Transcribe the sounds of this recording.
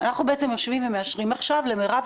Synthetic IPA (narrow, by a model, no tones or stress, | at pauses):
anaχnubeet͡semjoʃvimveme̞aʃʁimaχʃavlemeʁav